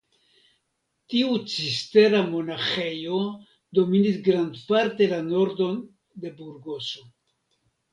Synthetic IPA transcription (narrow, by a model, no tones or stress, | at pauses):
tiut͡siste̞ɾamo̞naxe̞jo̞ | d̪o̞minisɡɾand̪paɾt̪e̞lano̞ɾdo̞n | d̪e̞buɾɡo̞so̞